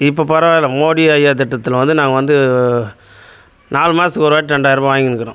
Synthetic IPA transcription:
ɪpːoːpɐɾɐʋaːlɐmoːɽiɐjaːt̪̬ɛʈːɐt̪ːɪlʋɐnd̪ɯnaːŋɡɐʋɐnd̪ɯ | naːlmaːɾsɯkɔɾʋaːʈ̚ʈɐɳɖaːjɐɾɐbɐʋaːjŋɡnɯkːɐɾõ

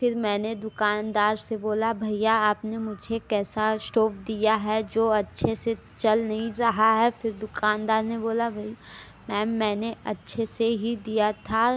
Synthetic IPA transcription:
fɪɾmɛ̃ːned̪ʊkaːnd̪aːɾseboːlabʱɐijaaːpnemʊd͡ʒʱekɛːsasʈoːp̚d̪ijaɦɛd͡ʒoːɐtːʃʰese | t͡ʃɐlnɐɦĩɾɐɦaɦɛfɪɾd̪ʊkaːnd̪aːɾneboːlabʱɐi | mɛːmːɛ̃ːneɐtːʃʰeseɦid̪ijat̪ʰa

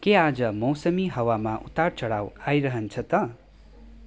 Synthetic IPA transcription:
kead͡zʌmʌwsʌmiɦʌwamaʔut̪aɽt͡sʌɽawajɾʌɦʌnt͡sʰʌt̪ʌ

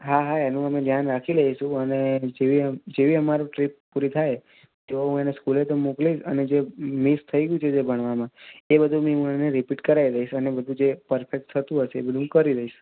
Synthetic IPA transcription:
ɦaɦaenũəmẽd̪ʱjanɾakʰiɾəɦiʃũəned͡ʒeʋid͡ʒeʋiəmaɾoʈɾippuɾit̪ʰaj | t̪ooɦũeneskulet̪omukliʃə̰ned͡ʒemist̪ʰəiɡjũt͡ʃʰed͡ʒebʱəɽ̃ʋamãebəd̪ʱumiɦũeneɾipiʈkəɾaiɾəiʃənebəd̪ʱũd͡ʒepəɾfʰek̚ʈ̚t̪ʰət̪ũɦəʃḛːbəd̪ũkəɾiɾəɦiʃ

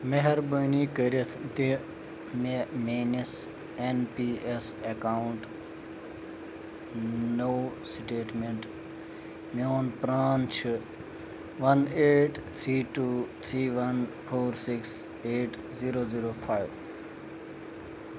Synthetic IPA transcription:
meɦɐɾbəːniːkəɾet̪ʰd̪e | memeːnes | enpiːes | ekaːwʊɳʈ | noːsʈeːʈmẽɳʈ | moːnpɾaːnt͡ʃʰɨ | ʋɐneːʈt̪ʰɾiːʈuːt̪ʰɾiːʋɐnpʰoːɾsɪks | eːʈ | ziːɾoːziːɾoːpʰaːjʋ

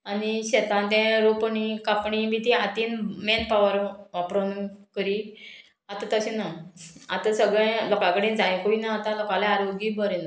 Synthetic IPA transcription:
aniɕet̪ãnt̪ɛ̃ɾopəɳikapɳimit̪iat̪inmenpaʋəɾʋapɾonkəɾi | at̪ãt̪əɕĩnaa̰t̪asəɡɭẽlɔkãkəɽĩːnd͡zajẽkuinaːt̪ãlɔkãlaaɾoɡibəɾen

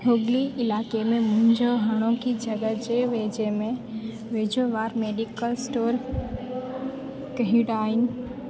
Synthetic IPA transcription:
ɦoːɡliɪlaːkemẽmʊ̃ɦɪ̃ɲd͡ʒoɦəñõkid͡ʒəɡəd͡ʒeʋeːd͡ʒemẽ | ʋeːd͡ʒoʋaːɾmeːɖikəlsʈoːɾ | kɐɦiɽaːɪn

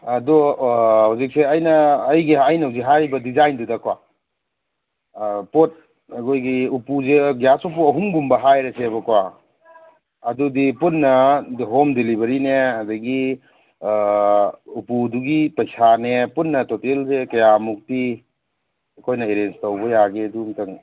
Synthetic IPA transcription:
ɐduhawzik̚seɐjnɐːjɡiɐjnɐwziɦaɾibɐdizajndudɐkwa | pot̚ | ɐkʰojɡiupuzeɡjasup̬uɐɦuŋɡumbɐɦajɾesebɐkwa | ɐdudipunːɐdɦomdelibɐɾineɐdɐɡi | upuduɡipɐjsanepunːɐtotelzekɐjamuk̚ti | ɐkʰojnɐeɾenstɐwbɐjaɡedumtɐŋ

